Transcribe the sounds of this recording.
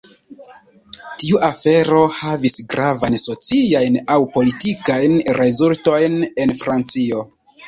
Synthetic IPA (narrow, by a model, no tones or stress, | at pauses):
tiuʔafe̞ɾo̞havisɡɾavanso̞t͡siajnawpo̞litikajnɾʔe̞zulto̞jne̞nfɾant͡sio̞